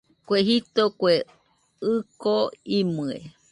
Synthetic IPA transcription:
kʷeɦit̪okʷe | ɨkoimɨḛ

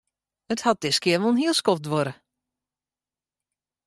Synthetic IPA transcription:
əthɔt̚d̥ɪskɪəʋolˠnɦiəlˠskɔp̚dʋoɾə

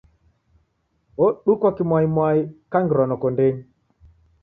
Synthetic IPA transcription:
oɗukɔkimwajimwajikaŋɡɾɔnɔkɔndeɲ

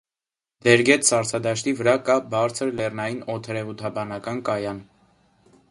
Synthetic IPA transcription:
d̪ɛɾɡɛt̪sɑɾt͡sʰɑd̪ɑʃt̪ivəɾɑkɑbɑɾt͡sʰəɾlɛrnɑjinɔt̪ʰəɾɛvut̪ʰɑbɑnɑkɑnkɑjɑn

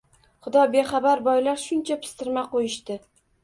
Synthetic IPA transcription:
χʊd̪ɒbe̞χɑbaɾbɒjlaɾʃʊnt͡ʃʰapʰɪ̥st̪ɪɾmaqojɪʃt̪ɪ

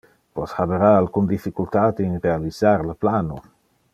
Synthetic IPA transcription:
pɔshabeɾaalkund̪ifːikult̪aːt̪əinrealizaɾləplaːno

